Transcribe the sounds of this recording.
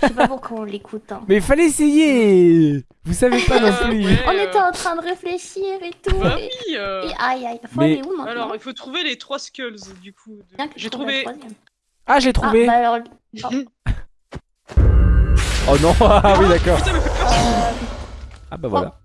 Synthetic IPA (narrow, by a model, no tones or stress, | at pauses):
sɛpapuʁkɔ̃lekʰut̪ɛ̃mɛilfalɛeseje | vusavepad̪ɔ̃sliɔ̃neɛɑ̃t̪χɛ̃d̪əʁefleʃiʁet̪ṵieʔajajfmɛleumɛ̃alɔʁilfot̪χuvelet̪χwaskʲœlzd̪ykud̪əbjɛ̃kəʒet̪vewazjɛm | aʒəlet̪χuveaalɔʁ | ɔnɔ̃awid̪akɔʁt̪a | a | a̰bavwa̰la̰